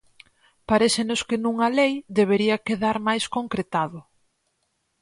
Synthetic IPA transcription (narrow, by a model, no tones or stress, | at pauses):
paɾesenʊskɪnũŋɐlejd̪eβ̞eɾiɐkeðaɾmajskoŋkɾet̪aðʊ